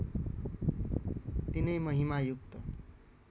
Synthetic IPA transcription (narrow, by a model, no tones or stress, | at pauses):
t̪inʌjmʌɦimajuk̚t̪ʌ